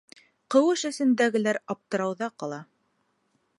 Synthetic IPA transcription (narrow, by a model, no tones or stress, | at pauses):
qɤ̆wɤʃɘ̆sɘ̆nd̪æɡɘ̆læɾɑp̚t̪ɤ̆ɾɑwðɑqɑlˠɑ